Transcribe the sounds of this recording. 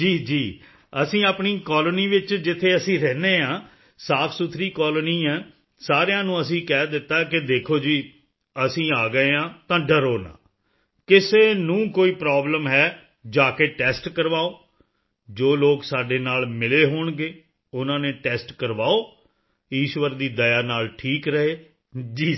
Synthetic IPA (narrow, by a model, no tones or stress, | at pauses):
d͡ʒiːd͡ʒiː | əsĩːaːpɳiːkɔːləniːʋɪt͡ʃd͡ʒɪt̪ʰːeːəsĩːɾɛːneːãː | saːpʰsʊt̪ʰɾiːkɔːlniːɛ̃ː | saːɾejãːnũːəsĩːkɛːd̪ɪt̪ːaːkɪd̪eːkʰoːd͡ʒiː | əsĩːaːɡəeːãːt̪ãːɖəɾoːnã̰ː | kɪseːnũːkoːiːpɾaːbləmɦɛː | d͡ʒaːkeːʈɛːsʈkəɾʋaːoː | d͡ʒoːloːksaːɖeːnaːlmɪleːɦoːɳɡeː | ʊnãːneːʈɛːsʈkəɾʋaːoː | iːʃʋəɾd̪iːd̪əjaːnaːlʈʰiːkɾəɦeː | d͡ʒiː